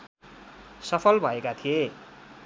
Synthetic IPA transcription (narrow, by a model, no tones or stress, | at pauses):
sʌpʰʌlbʱʌekat̪ʰije